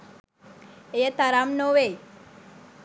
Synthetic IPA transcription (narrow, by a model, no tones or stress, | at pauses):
ejət̪aɾamnoʋe